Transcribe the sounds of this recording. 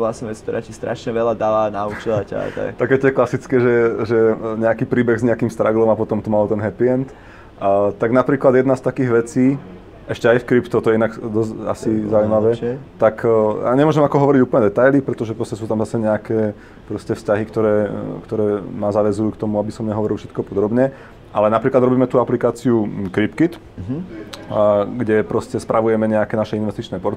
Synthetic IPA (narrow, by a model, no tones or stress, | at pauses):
vlasɲɛʋɛt͡skt̪ɔɾaːt͡ʃist̪ɾaʃɲɛʋɛlad̪aːʋaːnaut͡ʃilaca̰t̪a̰kt̪akɛt̪ɛklasit͡skɛːʒɛʒɛɲɛakiːpɾiːbɛɣzɲɛakiːmst̪ɾaɡlɔmapɔt̪ɔmt̪umalɔt̪ɛnɦɛpiɛnt̪ | t̪aɡnapɾiːklad̪jɛd̪nast̪akiːɣʋɛt͡siː | ʔɛʃcɛajfkɾipt̪ut̪ɔjɛinaɡd̪ɔsa̰sizaujimaʋɛt̪aka̰ɲɛmʊɔʒɛmakɔɦɔʋɔɾiɟuːpl̩ɲɛd̪ɛt̪ajlipɾɛt̪ɔʒɛpɾɔscɛsuːt̪amzasɛɲɛakɛː | pɾɔscɛfscaɦikt̪ɔɾɛːkt̪ɔɾɛːmazaʋɛzujuːkt̪ɔmuabisɔmɲɛɦɔʋɔɾilˠfʃɛt̪kɔpɔd̪ɾɔbɲɛ | ʔalɛnapɾiːklad̪ɾɔbiːmɛt̪uaplikaːt͡siukɾipkit̪ | ɡɟɛpɾɔscɛspɾʔaʋujɛmɛɲɛakɛːnaʃɛinʋɛst̪it͡ʃnɛːpɔɾt̪